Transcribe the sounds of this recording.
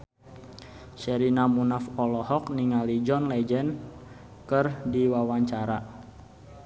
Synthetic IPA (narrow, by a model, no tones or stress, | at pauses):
sɛɾinamunafɔlɔhɔkniŋalid͡ʒɔnlɛd͡ʒɛn | kərdiwawaɲt͡ʃaɾa